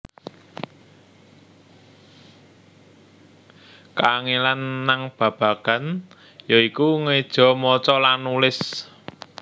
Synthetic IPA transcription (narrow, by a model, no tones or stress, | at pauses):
kaŋelanːaŋb̥ä̤b̥ä̤ɡ̥a̤n | jɔikuŋed̥ʒ̥ɔ̤mɔt͡ʃɔlanulɪs